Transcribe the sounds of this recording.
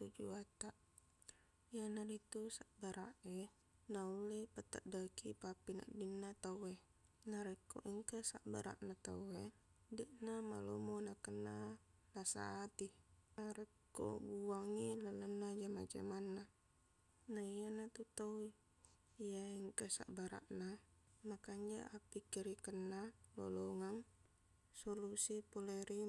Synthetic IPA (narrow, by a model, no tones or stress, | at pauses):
t̪ud͡ʒuat̪aʔ | ijanadit̪usaʔbaɾʔa̰ʔe | naulepat̪ːa̰ʔdakipapːina̰ʔdinːat̪awe | naɾekːo̰ʔiŋkasaʔba̰ɾa̰ʔnat̪a̰we | dɛʔnama̰lo̰monakənːa | nasa̰ːt̪inaɾɛkːo̰buaŋilalənːad͡ʒamad͡ʒa̰manːa | naijanat̪ut̪awe | ijaiŋkasa̰ʔbaɾa̰ʔna | makaɲd͡ʒa̰ʔapːikiɾikənːalo̰loŋaŋ | solusipoleɾi